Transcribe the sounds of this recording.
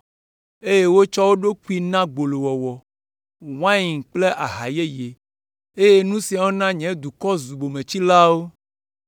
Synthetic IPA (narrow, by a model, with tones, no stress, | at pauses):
e˦je˦wo˦t͡ʃɔ˦wo˦ɖo˦ku˦i˦nã˦ɡ͡bo˨lo˨wɔ˨wɔ˨ | w̃ã˦ji˨ŋ˨k͡ple˦ʔa˨ɦa˨je˦je˨ | e˦je˦nũ˦sĩ˨a˨wo˦nã˦ɲɛ̃˨˦d̪u˨kɔ˦zu˨bo˨mẽ˨t͡ɕi˦la˦wo˦